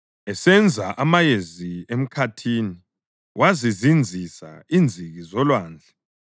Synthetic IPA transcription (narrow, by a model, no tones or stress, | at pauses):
ɛsɛnd͡zʱaʔamajeziem̩kʰatʰiːni | wʔazizind͡zʱisa̰ind͡zʱiɣizɔlwaːnd͡ɮʱɛ